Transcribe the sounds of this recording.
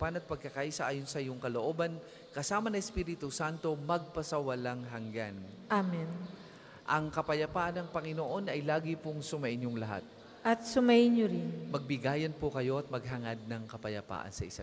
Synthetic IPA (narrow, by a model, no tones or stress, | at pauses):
panɐt̪̚pɐɡ̚kɐkaːʔisɐʔaːjonsɐɪjʊŋkɐloʔo̞ːbɐn | kɐsaːmɐnɐʔɛspiːɾɪt̪ʊsant̪o̞mɐɡ̚pɐsɐwɐlaŋɦɐŋɡanʔamɛn | ʔɐŋkɐpɐjɐpaːʔɐnɐŋpɐŋɪnoʔo̞nʔɐjlaːɡɪpʊŋsʊmɐʔɪnjʊŋlɐɦa̰t̪̚ | ʔɐt̪̚sʊmɐʔɪnɲoɾɪnmɐɡ̚bɪɡaːjɐnpʊkɐjo̞ʔɐt̪̚mɐɡ̚ɦɐŋad̪̚nɐŋkɐpɐjɐpa̰ːʔɐ̰nsɐʔɪsa